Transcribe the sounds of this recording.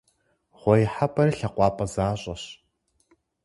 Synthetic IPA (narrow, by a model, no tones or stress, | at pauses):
ʁʷɔjɪħapʰʼɐrɨɬɐqʷɑːpʼɐzaːɕʼɐɕ